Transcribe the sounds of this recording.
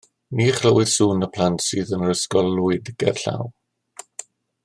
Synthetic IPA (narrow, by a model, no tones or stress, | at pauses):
niːχrəwɪðsuːnəpʰlˠantsɨːðənrəskɔlˠːʊɨdɪɡ̥ɛ̰rɬa̰w